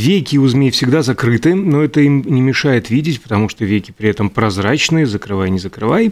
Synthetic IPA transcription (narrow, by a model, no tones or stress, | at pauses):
vʲejkʲɪʊzmʲejfsʲɪɡd̪azɐkɾɨt̪ɨnoɛt̪əimnʲɪmʲɪʂajɪt̪vʲidʲɪtʲpə̥t̪ɐmuʂt̪ovʲejkʲɪ̥pɾʲɪɛt̪əmpɾɐzrat͡ɕnɨjəzəkɾɨvajnʲɪzəkɾɨvaj